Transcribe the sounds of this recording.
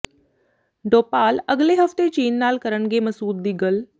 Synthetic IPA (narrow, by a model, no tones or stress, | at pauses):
ɖoːpaːləɡleɦəft̪et͡ɕiːnːaːlkəɾəɳɡeməsuːd̪̚d̪iɡəl